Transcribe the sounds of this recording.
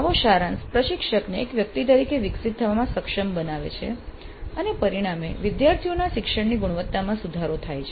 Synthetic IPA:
aʋoʃaɾãnspɾəʃɪkʃəkneːkʋjək̚t̪it̪̬əɾikeʋɪksit̪̚t̪ʰːəʋamãsəkʃəmbənaʋḛt͡ʃʰḛ | ənepəɾiɽ̃ameʋɪd̪jaɾt̪ʰijonaʃɪkʂəɳniɡuɽ̃ʋət̪ːamãsud̪ʱaɾot̪ʰajt͡ʃʰe

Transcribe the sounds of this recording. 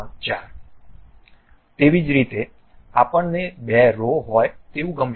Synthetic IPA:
d͡ʒa | t̪eʋid͡ʒɾit̪e | apəɳnebɛɾoɦɔjt̪eʋũɡəm

